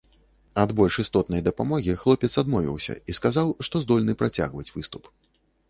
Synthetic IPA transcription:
ɐd̪bɔlʲʂist̪ɔt̪nɐjd̪ɐpamɔɣʲixlˠɔpʲɛt̪sad̪mɔvʲḭwsʲɐ̰iskazawʂt̪ɔzd̪ɔlʲnɨpɾat͡sʲa̰ɣvɐt͡sʲvɨst̪u̥p

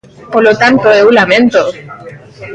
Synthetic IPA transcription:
poɾlot̪ant̪oeulamẽ̞nt̪o

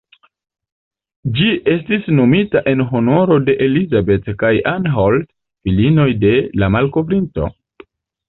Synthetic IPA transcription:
d͡ʒiʔe̞stisno̞mitaʔe̞nɦo̞no̞ɾode̞ʔelizabe̞tkajanɦold | filino̞jde̞lamalko̞vɾinto̞̰

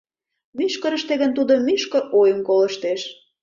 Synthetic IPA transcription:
myʃkə̆ɾə̆ʃt̪eɣənt̪ud̪əmyʃkə̆ɾojəmkolə̆ʃt̪eʃ

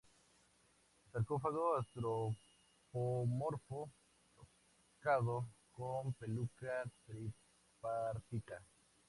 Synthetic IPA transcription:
saɾkofaɣoast̪ɾo | pomoɾfo | t̪o | kaðokompelukat̪ɾi | paɾt̪it̪a

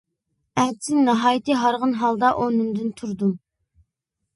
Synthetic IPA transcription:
æd̪sɪnnɑɦɑːjit̪ʰɨɦɑɾʁənɦɑlˠd̪ɑʔonynd̪ynt̪ʰuɾd̪um

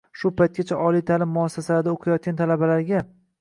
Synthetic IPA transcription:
ʃʊpʰajt̪̚kʲat͡ʃʰaʔɒlijt̪ʰalɪmːʊasːasalaɾd̪aoqʰajɒt̪̚kʲant̪ʰalabalaɾɡʲa

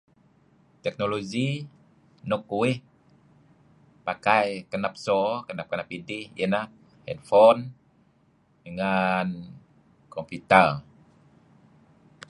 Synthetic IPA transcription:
t̪ɛk̚nolozi | nokːuih | pakajkənap̚sɔkənap̚kənap̚idihə̰nah | hɛ̰t̪̚fɔn | dəŋan | kɔmput̪ər

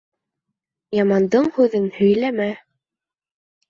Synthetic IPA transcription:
jɑmɑnd̪ɤɴhʉðɘnhɵ̆jlæmæ

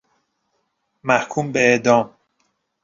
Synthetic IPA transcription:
mæhkʰuːmbeeʔd̪ɒːm

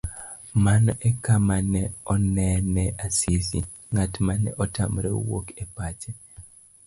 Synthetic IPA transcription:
manʔɛkamanɛɔnɛnɛʔasisḭ | ŋatmanɛ̰ʔɔtamɾɛ̰wo̰kɛpat͡ʃɛ

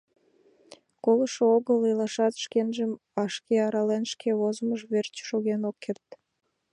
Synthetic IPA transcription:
koləʃooɣəlelɑʃɑt̪ʃkenʒəm | ɑʃkeɑɾɑlenʃkʰeβozəməʒβert͡ɕʃoɣenokʰːert̪̚

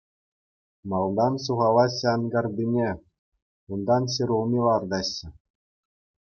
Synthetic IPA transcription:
mɑlˠd̪ɑnsuʁɑlˠɑɕɑnɡɑrbʲinʲe | und̪ɑnɕeɾʲulˠmʲilˠɑrd̪ɑɕːɘ̆

